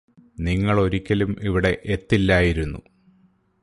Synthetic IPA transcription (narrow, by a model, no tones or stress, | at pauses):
niŋːɐɭo̞ɾikʲːɐlumiʋiɽe̞ʔet̪ːilːaːjiɾunːṵ